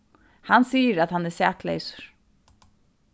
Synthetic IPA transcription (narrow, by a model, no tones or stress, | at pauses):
hanːsiːəɾaðhanːɛɾsæːklḛjsʊ̥ɹ̥